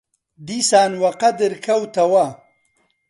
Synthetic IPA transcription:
d̪isaːnwaqad̪ɪɾkawt̪awa

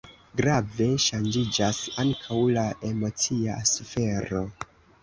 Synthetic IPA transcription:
ɡɾave̞ʃand͡ʒid͡ʒasaŋkʰawlaʔe̞mo̞t͡siasufe̞ɾo̞

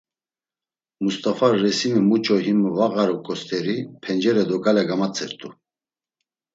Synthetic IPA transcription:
must̪ʼafarːɛsinəmut͡ʃʼɔɦimvaɣaɾɔkʼɔst̪ʰɛɾipʰɛnd͡ʒɛɾɛd̪ɔkʼalɛɡamat͡sʰʼɛɾt̪ʼu

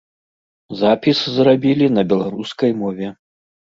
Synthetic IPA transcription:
zapʲiszrabʲilʲinɐbʲɛlˠaɾuskɐjmɔvʲɛ

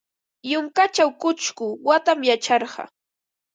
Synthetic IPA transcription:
jʊŋkat͡ʃawkʊt͡ʃkʊwat̪amjat͡ʃɑɾɢɑ̰

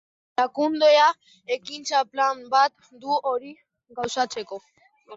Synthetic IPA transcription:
lakund̪e̞a | ekint͡saplambat̪̚ | d̪uo̞ɾi | ɡawsat͡se̞ko̞

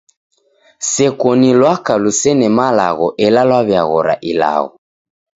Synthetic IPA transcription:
sɛkɔnilwakalusɛnɛmala̰ɣɔʔɛlalwaβjaɣɔɾa̰ʔila̰ɣɔ

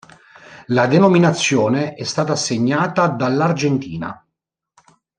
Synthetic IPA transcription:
lad̪enominat̪sːjoːneɛst̪aːt̪aːsːeɲːaːt̪ad̪alːard͡ʒɛnt̪iːna̰

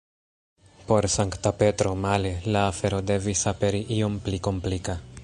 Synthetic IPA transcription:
po̞ɾsaŋktape̞tɾo̞male̞laːfe̞ɾo̞de̞visape̞ɾiʔio̞mpliko̞mplika

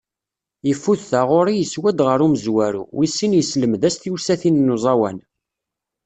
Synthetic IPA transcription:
jəfːuθθaʁoɾijəswæd̪ʁəɾuməzwæɾṵwisːinjəsləmðæst̪iwsæθinnːuzˤɑwæn

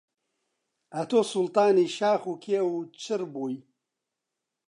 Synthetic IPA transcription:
ɐt̪oːsʊlt̪ɑːniːʃaːxuːkʰeːwut͡ʃʰɨɾbuːj

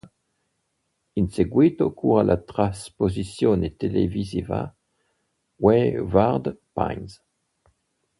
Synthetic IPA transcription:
inseɡwit̪okʰuʁalʔat̪ʁaspozisjonet̪elḛviziva̰ | wevaʁd̪pa̰jns

